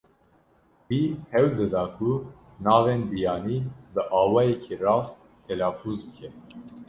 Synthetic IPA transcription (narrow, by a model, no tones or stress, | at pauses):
wiːhɛwd̪ɨd̪ɑːkʰu | nɑːveːnbijɑːniːbɨʔɑːwɑːjɛkʰirɑːst̪̚ | t̪ʰɛlɑːfuːzbɨkʰɛ